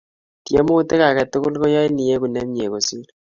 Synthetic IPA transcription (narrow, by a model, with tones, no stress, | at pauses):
tje˦mo˦te˦ka˨kɛ˨tu˦ku˦lko˦ja˦i˦ni˨je˦ku˨nɛ˦m˦e˨ko˨si˦l